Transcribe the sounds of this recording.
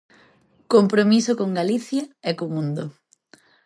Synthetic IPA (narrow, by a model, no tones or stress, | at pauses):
kompɾomisokoŋɡaliθjɐɛkomũnd̪o